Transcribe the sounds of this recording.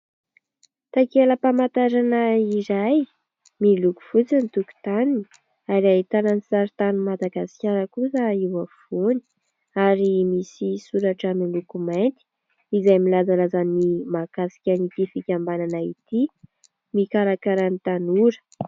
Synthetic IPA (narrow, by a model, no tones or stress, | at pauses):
t̪akeləpamat̪aɾanaiɾaj | miluku̥fut͡sinit̪uku̥t̪anini | aɾait̪ananisaɾit̪anumad̪aɡasi̥kʲaɾəkusəiwafoni̥ | aɾimisisuɾaʈ͡ʂamilukumajnt̪i̥ | izajmilazalazanimakasi̥kʲanit̪ifikʲambananait̪i | mikaɾakaɾanit̪anuɾə̥